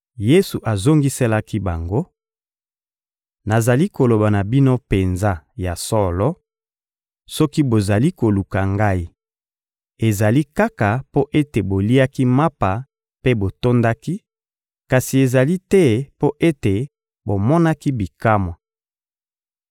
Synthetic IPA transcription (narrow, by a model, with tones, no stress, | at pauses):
je˦su˨ʔa˨zo˦ŋɡi˦se˦la˦ki˦ba˨ŋɡo˦ | na˨za˨li˦ko˨lo˨ba˨na˨bi˦no˦pe˨nza˦ja˨sɔ˦lɔ˦ | sɔ˦ki˦bo˨za˨li˦ko˨lu˨ka˨ŋɡa˦i˦ | e˨za˨li˦ka˦ka˨po˦ʔe˦te˨bo˨li˦a˦ki˦ma˦pa˨ | pe˦bo˨to˦nda˦ki˦ | ka˨si˨e˨za˨li˦tɛ˦po˦ʔe˦te˨ | bo˨mɔ˦na˦ki˦bi˨ka˦mwa˨